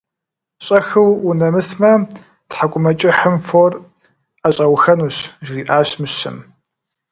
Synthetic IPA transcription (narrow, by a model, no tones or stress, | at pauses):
ɕʼɐxɨwʊnɐmɨsmɐ | tħakʷʼʊmɐt͡ʃʼɪħɨmfoːr | aɕʼɐwxɐnuːɕʒriːʔaːɕmɨɕɨ̰m